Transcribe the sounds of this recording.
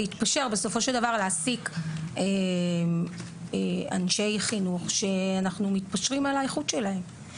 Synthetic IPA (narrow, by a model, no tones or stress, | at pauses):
eit̪paʃe̞ʁbe̞so̞fo̞ʃe̞ld̪avaʁleasike | ea̰nʃe̞jχinuχʃe̞anaχnumit̪paʃʁimalaeχut̪ʃe̞lae̞m